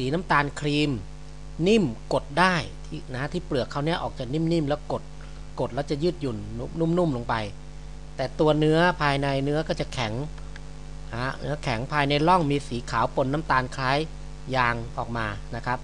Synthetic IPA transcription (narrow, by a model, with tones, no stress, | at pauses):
siː˩˦na˦˥mt̪aː˧nkʰɾiː˧m | ni˥˩mko˨˩t̪̚daː˥˩jt̪ʰiː˥˩na˦˥t̪ʰiː˥˩plɯ˨˩əkʰːa˧˥˩wni˦˥ɐʔɔː˨˩k̚t͡ɕaː˨˩k̚ni˥˩mni˥˩mlɛː˦˥wko˨˩t̪̚ | ko˨˩t̪̚lɛː˦˥wt͡ɕa˨˩jɯː˥˩t̪̚ju˨˩nː˥nu˥˩mnu˥˩mloː˧ŋpa˧j | t̪ɛː˨˩t̪u˧ɐnɯ˦˥ɐpʰaː˧jna˧jnɯ˦˥ɐkɔː˥˩t͡ɕa˨˩kʰɛ˩˦ŋ | ʔa˧˦˩nɯ˦˥ɐkʰɛ˩˦ŋpʰaː˧jna˧jlɔ˥˩ŋmiː˧siː˩˦kʰaː˩˦wpo˧nːa˦˥mt̪aː˧nkʰlaː˦˥j | jaː˧ŋʔɔː˨˩k̚maː˧na˦˥kʰa˦˥p̚